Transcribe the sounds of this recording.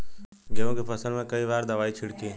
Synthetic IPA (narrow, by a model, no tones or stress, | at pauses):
ɡeʋõːkepʰɐsəlmẽkɐibaːɾd̪əʋaːit͡ʃʰɪɽkeː